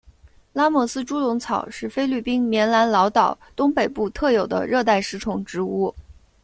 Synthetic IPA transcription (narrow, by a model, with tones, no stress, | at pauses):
la˥mɔ˨˩sɹ̩˥ʈ͡ʂu˥lʊ˧˥ŋt͡sʰɑ˨˩ʊʂɻ̩˥˩fe˥ɪly˥˩pi˥nmjɛ˧˥nla˧˥nlɑ˧˥ʊt̪ɑ˨˩ʊt̪ʊ˥ŋpe˨˩ɪpu˥˧t̪ʰɤ˥˩jo˨˩ʊd̪ə̰˦ɻɤ˥˧t̪a˥˩ɪʂɻ̩˥ʈ͡ʂʰʊ˧˥ŋʈ͡ʂɻ̩˧˥u˥˩